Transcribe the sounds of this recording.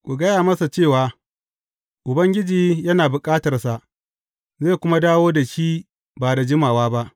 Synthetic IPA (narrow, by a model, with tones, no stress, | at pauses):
kʷʼu˨ɡɐ˦jaː˨mɐ˦sa˨t͡ʃeː˦˨waː˨ | ʔʊ˨bɐ˦ŋɡʲɪ˦d͡ʒiː˦jɐ˦naː˨bʊ˨kʼaː˦tɐ˨rsa˨ʔ | zeː˦˨kʷʊ˦ma˦daː˦woː˦da˨ʃiː˦ | baː˨da˨d͡ʒɪ˦maː˨waː˦ba˦ʔ